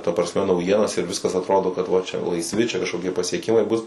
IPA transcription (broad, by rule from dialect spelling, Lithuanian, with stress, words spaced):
tɐ prɐsʲˈmʲɛ nɐʊˈjiɛnɐs ɪr ˈʋʲɪskɐs ɐtˈroːdoː kɐt ˈʋɐ t͡ʃʲɛ lˠɐɪsʲˈʋʲɪ ˈt͡ʃʲɛ kɐʃkoːˈkʲiɛ pɐsʲiɛˈkʲɪmɐɪ bʊs